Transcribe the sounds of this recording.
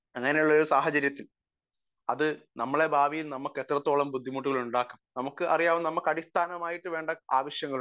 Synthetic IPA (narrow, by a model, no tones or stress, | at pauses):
ɐŋːɐne̞juɭːɐoɾusaːɦɐt͡ɕɐɾjɐt̪ːil | ɐðɨnɐmːɐɭe̞bʱaːʋijilnɐmukːe̞t̪ːrɐt̪ːo̞ːɭɐmbud̪ʱːimuːʈːuɣɐɭuɳɖaːkːumnɐmukːɨʔɐrijaːʋumnɐmukːɐɽist̪ʰaːnɐmaːjiʈːɨʋe̞ːɳɖɐaːʋɐɕjɐŋːɐɭ